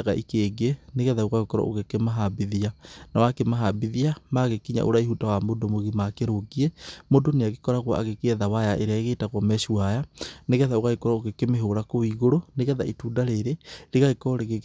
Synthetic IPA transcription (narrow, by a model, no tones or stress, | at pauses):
aɣaʔikeːɡeneɣɛðaoɣaɣekɔɾa̰ʔo̰ɣekemaɦabiðianawakemaɦabiðiamaɣekiɲa̰ʔoɾaiɦutawamodomoɣimakeɾoɡiɛmodoneaɣekɔɾaɣwaʔa̰ɣekeɛðawajaʔeɾeaeɣetaɣwɔmɛʃuajaneɣɛðaoɣaɣekɔɾaoɣekemeɦoɾakoiɣoɾoneɣɛða̰ituːdaɾeɾeɾeɣaɣekɔɔɾeɣe